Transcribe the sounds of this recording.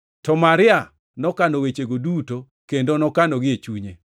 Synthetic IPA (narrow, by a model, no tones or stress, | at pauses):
tɔmaɾɪa | nɔkanowet͡ʃeɡoduto | kendonɔkanɔɡɪet͡ʃuɲe